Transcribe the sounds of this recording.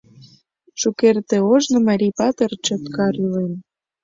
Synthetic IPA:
ʃukert̪ĕoʒnŏmɑɾʲipɑt̪ərt͡ɕŏt̪kɑɾylen

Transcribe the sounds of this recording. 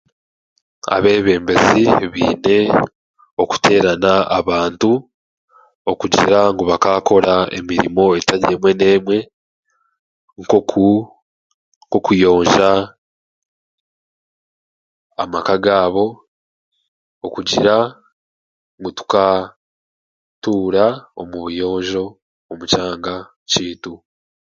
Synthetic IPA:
a̰βe̞ːβe̞ːmbe̞ziβḭːne̞ | o̞ku̥tʰe̞ːɾanaa̰βaːntu | okuɟiɾaŋɡoβakaːko̞ɾae̞̰miɾḭmo̞e̞taɟe̞ːmwe̞ne̞ːmwe̞ | ŋkou | ŋkokujo̞ːɲʒa | a̰makaɡaːβo̞ | okuɟiɾa | ŋɡutu̥ka | tuːɾao̰muβujo̞ːɲʒo̞ː | mut͡ʃaːŋɡa | ciːtu

